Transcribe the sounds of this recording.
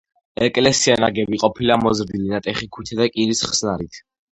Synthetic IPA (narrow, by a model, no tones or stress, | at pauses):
ɛkʼlɛsianaɡɛbiqʼɔpʰilamɔzɾd̪ilinat̪ʼɛχikʰut̪ʰad̪akʼiɾisχsnaɾit̪ʰ